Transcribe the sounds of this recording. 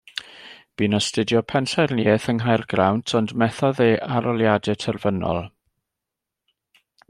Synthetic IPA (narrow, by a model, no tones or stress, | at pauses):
b̥iːnɔstɪdjɔpʰɛnɬɛrniɛθəŋɦajrɡrawntʰɔndmɛθɔðeːʔaɾɔlˠjadɛtʰɛrvənɔ̰lˠ